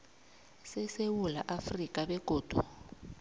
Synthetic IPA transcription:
sɛsewula̰ʔafrikʼabɛɡ̥ʱoːd̥ʱu

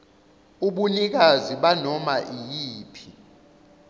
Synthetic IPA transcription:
uɓunik̬aziɓanɔmaʔijiːpʰi

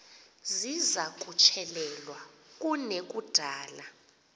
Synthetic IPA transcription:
zizakʼut͡ʃʼʰɛlɛlwak̬ʼunek̬ʼud̥ʱaːla

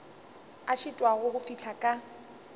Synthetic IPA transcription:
aʃɪtʼwaɣʊhʊfit͡ɬʰakʼa

